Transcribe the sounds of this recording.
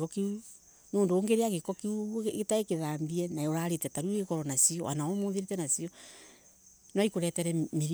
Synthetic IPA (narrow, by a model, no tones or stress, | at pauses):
kɔkeu | noːndoːŋɡeɾeaɣekɔkeuɣetaekeðaːmbiɛnaoɾaɾetɛtaɾuuekɔɾɔnasiɔanaomoːðeɾetɛnasiɔ | nwaikoɾɛtɛɾɛmeɾ